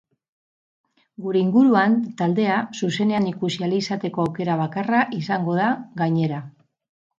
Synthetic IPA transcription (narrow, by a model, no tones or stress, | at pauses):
ɡuɾe̞iŋɡuɾuant̪ald̪e̞asuse̞ne̞anikusialiisat̪e̞ko̞awke̞ɾaβ̞akaraʔisaŋɡo̞ð̞aɡaɲe̞ɾa